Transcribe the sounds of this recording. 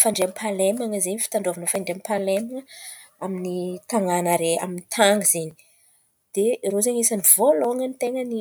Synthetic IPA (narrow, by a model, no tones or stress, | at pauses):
faɳɖ͡ʐeampʰalemaŋəzenifi̥t̪aɳɖ͡ʐovanəfaɳɖ͡ʐeampalemaŋə | aminit̪aŋanaɾea̰minit̪ʰaŋɡizeni̥ | d̪̥erozeɲesanivoloaŋənit̪eŋəni